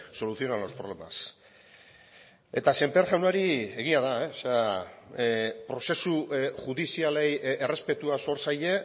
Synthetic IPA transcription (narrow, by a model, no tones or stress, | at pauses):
so̞luθio̞nalospɾolema̰s | e̞t̪ase̞mpeɾʝawnaɾie̞ɣ̞iaðaeosea | pɾo̞se̞suʝuðisialejere̞spe̞t̪uaso̞ɾsaje̞